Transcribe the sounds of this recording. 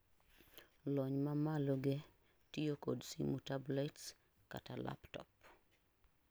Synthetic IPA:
lɔɲmamaloɡe | tiokodsḭmutablɛts | ka̰tala̰ptɔ̰p̚

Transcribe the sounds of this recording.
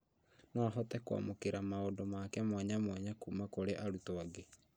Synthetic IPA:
nɔaɦɔtɛkwa̰mokeɾamaodɔmakɛmwaɲamwaɲakumakoɾeʔaɾutoaɡe

